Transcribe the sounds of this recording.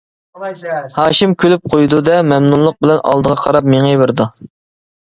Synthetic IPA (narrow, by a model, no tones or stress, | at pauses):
hɑːʃimkʲʰølyp̚qʰojd̪ud̪ɛmɛmnunlˠːʊq̚bɪlɛnʔɑ̰lˠd̪əʁɑqʰɑɾɑp̚meŋevɪɾd̪u